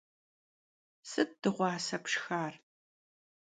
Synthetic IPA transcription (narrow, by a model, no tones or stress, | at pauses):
sɨt̚d̥ɨʁʷɑːsɐpʂxaːr